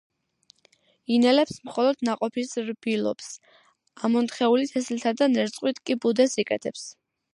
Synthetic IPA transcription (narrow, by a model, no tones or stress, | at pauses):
inɛlɛpsmχɔlˠɔd̪̥naqʼɔpʰisɾb̥ilˠɔ̰ps | amɔnt̪χɛulit̪ʰɛslt̪ʰad̪anɛɾt̪sʼqʼwit̪ʰkʼibud̪ɛsikʼɛt̪ʰɛps